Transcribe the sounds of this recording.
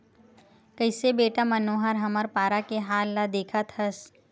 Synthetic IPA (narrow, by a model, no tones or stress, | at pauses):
kəɪsebeːʈamɐnoːɦəɾɦɐməɾpaːɾakeɦaːlːad̪eːkʰət̪hɐs